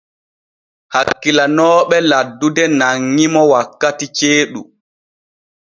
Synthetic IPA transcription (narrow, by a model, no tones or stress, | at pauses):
hakːilanɔːɓɛladːudɛnaŋːimɔwakːatit͡ʃeːɗu